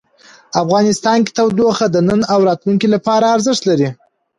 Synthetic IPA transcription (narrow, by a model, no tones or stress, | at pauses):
afɣɑnɪst̪ɑnki̥t̪awd̪oxad̪ənənawɾɑt̪luŋkilapɑɾaːɾzəʂt̪laɾi